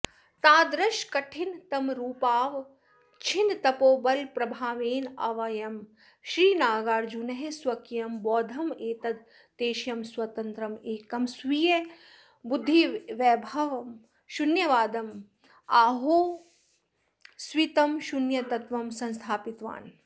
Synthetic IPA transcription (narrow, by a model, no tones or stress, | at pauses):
t̪aːd̪ɾɐʃkɐʈʰint̪ɐmɾuːpaːʋ | t͡ʃʰint̪ɐpoːbɐlpɾɐbʱaːʋeːnɐ̰ʋɐjɐm | ʃɾiːnaːɡaːɾd͡ʒunɐɦeswɐkijɐmbɔːd̪ʱɐmeːt̪ɐd̪ | t̪eːʃjɐmswɐt̪ɐ̃nt̪ɾɐmeːkɐmswije | bʊd̪ʱːiʋɛːbʱɐʋm | ʃunjɐʋaːd̪ɐm | aːɦoː | swit̪ɐmʃunjɐt̪ɐt̪ʋɐmsɐ̃nst̪ʰaːpit̪ʋa̰ːn